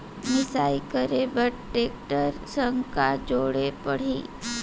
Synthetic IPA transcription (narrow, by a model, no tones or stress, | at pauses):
mɪsaːikəɾebəʈʈeːk̚ʈəɾsə̃ŋkad͡ʒoːɽepɐɽ̤iː